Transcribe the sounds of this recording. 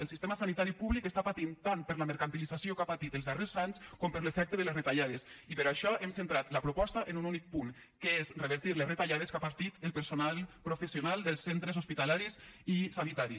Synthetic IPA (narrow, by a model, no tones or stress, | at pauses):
əlˠsist̪emasanit̪aɾipuβlikest̪apat̪int̪ampəɾləməɾkant̪ilizasiokapat̪it̪əlˠzðarezaɲskɔmpəɾlefɛk̚t̪əðəlesret̪aʎaðesipəɾaʃɔʔemsent̪ɾat̪ləpɾoupɔst̪aʔenununik̚puŋ | kəezreβəɾt̪iɾlesret̪aʎað̞eskapaɾt̪it̪əlˠpəɾsonalˠpɾofesionalˠd̪əlˠsːent̪ɾezospit̪alaɾisisanit̪aɾi